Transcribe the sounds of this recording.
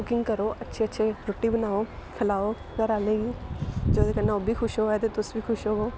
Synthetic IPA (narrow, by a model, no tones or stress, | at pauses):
ʊkɪ̃ŋɡkəɾoːʔətːʃʰeːətːʃʰeːɾoːʈːiːbənaːoːkʰəlaːoː | kəɾaːlẽːɡiːd͡ʒoːd̪eːkənːaoːbʱiːkʰʊʃoːɛt̪eːt̪ʊsbiːkʰʊʃoːɡoː